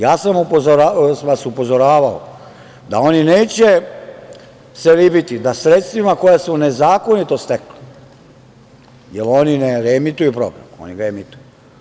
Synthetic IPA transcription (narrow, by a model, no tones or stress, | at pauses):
jaːsamupozoɾʋasupo̞zo̞ɾaːʋao̰ | d̪ao̞nine̞ːt͡ɕe̞ | selibit̪id̪asɾet̪st̪ʋimako̞jasmune̞zaːko̞nit̪o̞st̪ekli̥ | jelo̞nineɾemit̪ujupɾo̞̰ɡɾa̰mo̰niɡaemit̪uju